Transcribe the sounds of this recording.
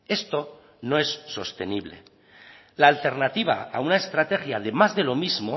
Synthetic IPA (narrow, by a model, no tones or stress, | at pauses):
e̞st̪o̞ | no̞e̞sːo̞̰st̪e̞niβle̞̰ | laːlt̪e̞ɾnat̪iβa̰a̰unaest̪ɾat̪e̞xjað̞e̞mazðe̞lo̞mizmo̞